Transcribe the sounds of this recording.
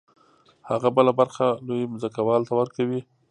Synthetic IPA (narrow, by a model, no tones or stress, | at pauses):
haɣabəlabaɾxalojmʊzakawɑlt̪awəɾkawi